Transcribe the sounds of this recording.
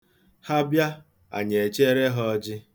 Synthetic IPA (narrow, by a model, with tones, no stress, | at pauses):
ha˦bja˦ | a̰˨ɲe˨t͡ʃe˦ɾe˦ɦɔ˦d͡ʒɪ˦